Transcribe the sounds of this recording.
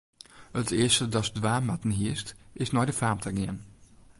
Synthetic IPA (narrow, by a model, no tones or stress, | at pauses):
ətʰeːɐstədɑsdwaːmatənɦiəstɪsnɔjdəfaːmtʰəɡiən